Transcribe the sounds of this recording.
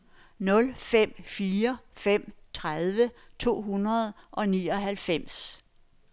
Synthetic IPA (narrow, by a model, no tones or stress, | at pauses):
nɔ̽lfem̰fiːɐfem̰t͡sʰʁað̞ˠʋət͡sʰo̝̰ːɦunɐð̞ˠʔɒ̽nḭːɒ̽ɦælfem̰s